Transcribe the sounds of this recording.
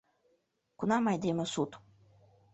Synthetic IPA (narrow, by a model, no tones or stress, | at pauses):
kunamajd̪ʲemɐsut̪u̥